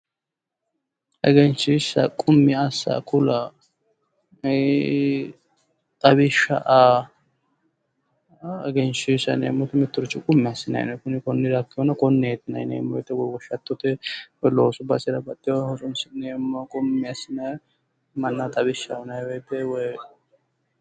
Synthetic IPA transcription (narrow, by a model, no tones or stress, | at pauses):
ʔɛ̰ɡɛnt͡ʃːɪsɐ̰kʼʊmːɪɐsːɐ̰kʰʊlɐ | t̪ʼɐbɪʃɐ̰ʔa | ɛɡɛnt͡ʃːisɐ̰nḛːmːɔt̪ɛmɪt̪ːʊɾɪt͡ʃːɪkʼʊmːɪɐsɪnɐ̰j̰nɛkʊnɪkɔnːɪd̪akːɪjɔnɐkɔnːɛɛt̪ːɪnɐ̰jnḛːmːɔjɛt̪ːɛwɔjwɔʃɐt̪ːɔt̪ɛwɔjloːsʊbɐsɪɾɐbɐt̪ʼːɪjɔhɔsʊnsɪnemːɐkʼʊmːɪɐsɪnɐj | mɐnːɐt̪ʼɐbɪʃːɐɔnɐjwɔjt̪ːɛwɔj